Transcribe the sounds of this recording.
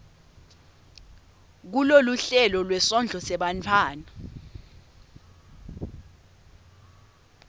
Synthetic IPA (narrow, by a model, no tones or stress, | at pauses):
k̬uloluɬɛlɔlwɛsɔnd͡ɮʱɔsɛɓantʰaːna